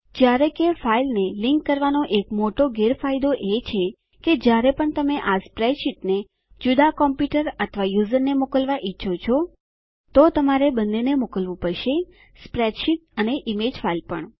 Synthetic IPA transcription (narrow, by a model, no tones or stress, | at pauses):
d͡ʒjaɾekefailneliŋkːəɾʋanoʔekmoʈoɡeɾfajd̪oʔet͡ʃʰe | ked͡ʒjaɾepəɳt̪əmeʔaspɾɛʈʃiʈne | d͡ʒud̪akɔmpjuʈəɾət̪ʰʋajuzəɾnemokəlʋaʔitːʃʰot͡ʃʰɔ | t̪ot̪əmaɾebənːenemokəlʋũpəɾʃe | spɾɛʈʃiʈ̚əneʔimed͡ʒfailpəɳ